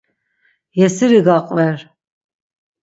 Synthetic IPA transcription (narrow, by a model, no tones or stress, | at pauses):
jɛsiɾiɡaqʼvɛɾ